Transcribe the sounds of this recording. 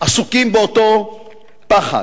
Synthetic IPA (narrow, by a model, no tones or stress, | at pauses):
asukimbeoto | paχa̰